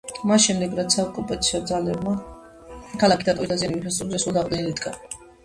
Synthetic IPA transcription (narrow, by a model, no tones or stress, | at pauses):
masʃɛmd̪ɛɡɾat̪saɔkʼupʼat̪sʰiɔd̪zalɛbma | kʰalˠakʰi̥d̪at̪ʼɔɾit̪d̪azianiuipʰɛsʼuɾzɛsulˠd̪aʁd̪ɛnilid̪ɡa